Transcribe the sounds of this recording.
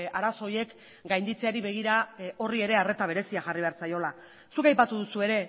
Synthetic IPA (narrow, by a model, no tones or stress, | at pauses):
aɾaso̞je̞k | ɡajnd̪it͡se̞aɾiβe̞ɣ̞iɾao̞rie̞ɾe̞are̞t̪aβ̞e̞ɾe̞siaxariβ̞e̞aɾt͡sajo̞la | sukajpat̪uðusue̞ɾe̞